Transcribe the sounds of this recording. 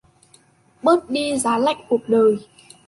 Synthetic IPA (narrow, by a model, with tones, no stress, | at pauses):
ɓɨ˦˥k̚ɗi˧zaː˨˦la̰˧˥˨jk̟̚ku˨˩ət̚ɗəː˨˩j